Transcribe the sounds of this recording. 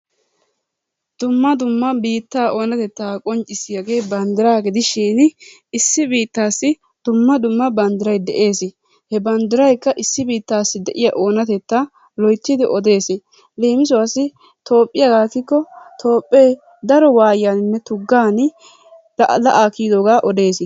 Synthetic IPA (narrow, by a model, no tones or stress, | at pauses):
d̪̥ʊmːɐd̪ʊmːɐbiːt̪ːaːʔo̞ːnɐt̪ɛt̪ːaːkʼɔnt͡ʃʼːɪsɪjɐɡeːbɐnd̪ɪɾaːɡɪd̪ɪʃiːn | ɪsːɪbiːt̪ːaːsːɪ | d̪̥ʊmːɐd̪ʊmːɐbɐnd̪ɪɾɐjd̪ɛʔe̞ːsɪ | hɛbɐnd̪ɪɾɐjkːɐʔɪsːɪbiːt̪ːaːsːɪd̪ɛʔɪjɐʔo̞ːnɐt̪ɛt̪ːa | lɔjt̪ːɪd̪ɪʔɔd̪e̞ːsɪ | leːmɪs̬ɔwɐsːɪ | t̪o̞ːpʼːɪjɐɡaːkːɪkːɔt̪ʰo̞ːpʼːe | d̪ɐɾɔwaːjjanɪnːɛt̪ʊɡːaːn | lʔlɐʔaːkiːd̪oːɡaːʔɔd̪e̞ːsɪ